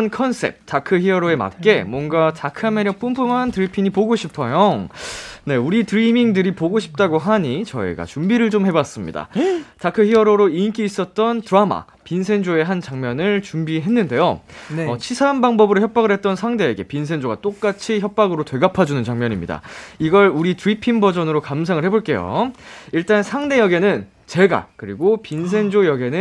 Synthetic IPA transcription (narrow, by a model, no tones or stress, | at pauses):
nkʰʌns͈ʰe̞̰p̚t͈akʰɯçiʌɾoe̞ma̰k̚k͈e̞mwʌnɡatakʰɯame̞ɾjʌk̚p͈umpʰumantɯɾipʰiɲipoɡoɕʰipʰʌjo | ne̞uɾitɯɾimiŋdɯɾipoɡoɕʰi̥p̚t͈aɡoɦaɲit͡ɕʌ̰ḭɡa̰t͡ɕumbiɾɯɭt͡ɕomhe̞bas͈ɯmɲḭda̰takʰɯçiʌɾoɾoink͈iːs͈ʌt̚t͈ʌntɯɾama̰ | pinsʰe̞nd͡ʑoe̞ɦant͡ɕaŋmjʌnɯɭt͡ɕumbiɦe̞nːɯnde̞joʌt͡ɕʰisʰanbaŋbʌbɯɾoçjʌp̚p͈aɡɯɭhe̞t̚t͈ʌnsʰaŋde̞ːɡe̞̰pins̬ʰe̞nd͡ʑoɡat͈ok̚k͈at͡ɕʰiçjʌp̚p͈aɡɯɾotwe̞ɡapʰad͡ʑunɯnt͡ɕaŋmjʌɲimɲḭda̰iɡʌɭuɾitɯɾipʰinbʌd͡ʑʌnɯɾokamsʰaŋɯɭhe̞boɭk͈e̞jo̰iɭt͈ansʰaŋde̞jʌɡe̞nɯn | t͡ɕe̞ɡa̰kɯɾiɡopinsʰe̞nd͡ʑojʌɡe̞nɯ